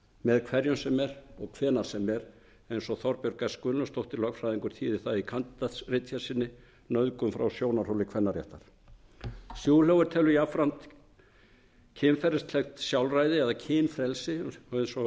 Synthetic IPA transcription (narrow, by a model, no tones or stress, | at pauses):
mɛðkʰvɛɾjʏnsɛmɛɾɔɣkʰvɛːnaɾ̥sɛmɛɾ | ejnsɔθɔɾpjœɾkaskʏnʏst̪owht̪ɪlœkfɾajðiŋkʏɾ̥t̪ʰiːðɪθaðikʰant̪t̪asrɪt̪çjḁsɪnːɪ | nœðkʏmfɾawsjoːwnar̥owlɪkʰɛnːaɾjɛ̰ht̪aɾ̥ | sjuːwlœɣʏɾt̪ʰɛlʏjafɾant̪ | cʰɪnfɛɾɪst̪ʰlɛxt̪sjawlrajðɪɛðacʰɪːnfɾɛlsɪɔejnsɔ